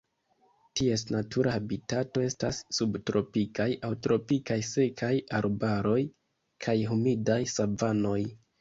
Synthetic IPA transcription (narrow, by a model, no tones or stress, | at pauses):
tie̞snatʰuɾaabitato̞e̞stasːubtɾo̞pikajawtɾo̞pikajse̞kʰajaɾbaɾo̞j | kʰajɦumidajsavano̞j